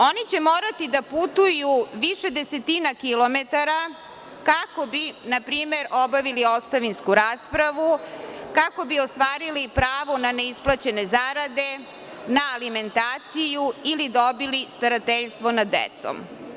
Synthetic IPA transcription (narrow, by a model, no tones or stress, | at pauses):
o̞nit͡ɕe̞moːɾat̪id̪aput̪ujuʋiʃe̞d̪ese̞t̪inakilˠo̞met̪aɾa | kako̞binapɾiːme̞ɾo̞baʋilio̞st̪aʋinskuɾaːspɾaʋukako̞biost̪ʋaːɾilipɾaːʋonaneisplˠat͡ɕe̞ne̞zaɾad̪e̞ | naːlime̞nt̪aːt̪sijuilid̪obilist̪aɾat̪eʎst̪ʋo̞nad̪ḛt̪so̰m